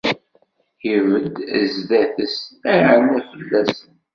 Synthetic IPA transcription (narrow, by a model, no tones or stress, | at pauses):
jəvəd̪zðæθəsæɾənæfəlːæsən